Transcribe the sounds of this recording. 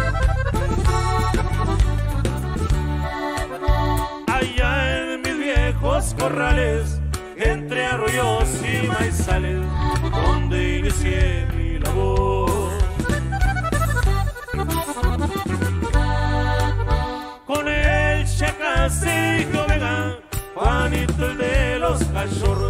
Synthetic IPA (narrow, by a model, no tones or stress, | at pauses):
aʎaenmizβjexoskorales | ent̪ɾearojosimajsalesond̪einisjemilaβo | konelʃekasikoβeɣakwanit̪eld̪eloskat͡ʃoɾo